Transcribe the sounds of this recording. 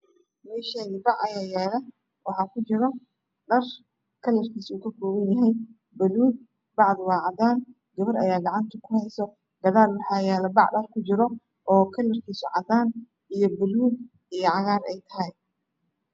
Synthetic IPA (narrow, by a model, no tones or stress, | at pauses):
mɛːʃanɪbɑʕɐjaːjɛːlɛ | wɑħɑːkʰʊt͡ʃɪɾɔ | ɖɐr | kʰɐlːɐrkʰiːsuːkʰɐkʰɔːβɐnjɐɦɛj | bɐluːd̪̚ | bɑʕðʊwɑːʕɑd̪aːn | ɡ̥ɐβɐɾɐjaːɡɑʕɑnt̪ʰɐkʰʊhɛjsɔ | ɡ̪ɐðaːlwɑħɑːjɛːlɐbɑʕɖɐrkʰʊt͡ʃɪɾɔ | ʔɔːkʰɐlːɐrkʰiːsʊ̰ʕɑd̪aːn | ijɞbɐluːɡ | ijɔʕɑɣaːrɛjt̪ʰɐ̥ɦɛj